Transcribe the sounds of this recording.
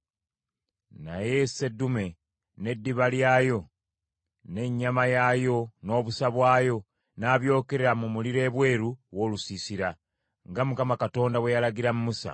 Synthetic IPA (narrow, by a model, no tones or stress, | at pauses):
naje̞se̞dːume̞ | ne̞dːiβaljaːjo̞ | ne̞ɲːamajajo̞no̞ːβusaβwaːjo̞ | naːβjo̞ːke̞ɾeɾamumuliɾe̞ːβwe̞ːɾuwo̞ːlusisiɾa | ŋɡamukamakato̞ːndawe̞jalaɡiɾamumusa̰